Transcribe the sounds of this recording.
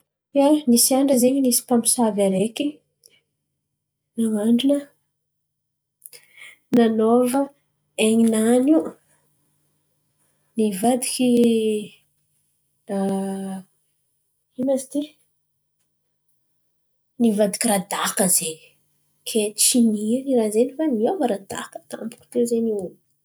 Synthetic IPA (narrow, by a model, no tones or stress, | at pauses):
janisiaɳɖ͡ʐəzeɲinisi̥pampi̥savaɾeki | naŋaɳɖ͡ʐinə | nanovə | eɲinanu | nivad̪iki | inasi̥t̪i | nivad̪i̥kʲiɾad̪akəzeni̥ | kʰet͡ʃininirazenifaniovəɾad̪a̰kə̥t̪a̰mbu̥ku̥t̪ewzeni